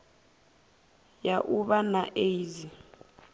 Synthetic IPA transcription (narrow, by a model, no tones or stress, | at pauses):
jaʔuɓanaʔeizi